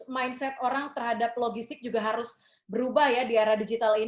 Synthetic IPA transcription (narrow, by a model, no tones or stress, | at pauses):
majnsɛt̪̚oɾaŋt̪ərɦadap̚loɡist̪ɪk̚d͡ʒuɡaɦaɾʊs | bəɾubahjadiaɾahdid͡ʒit̪alin